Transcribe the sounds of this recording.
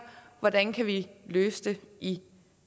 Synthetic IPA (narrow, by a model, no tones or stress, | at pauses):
ʋɒd̥ænkʰæʋiløːsd̥ei